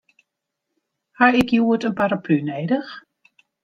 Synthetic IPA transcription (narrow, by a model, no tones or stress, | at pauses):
haɪkjuətənpaɾaplynejdəx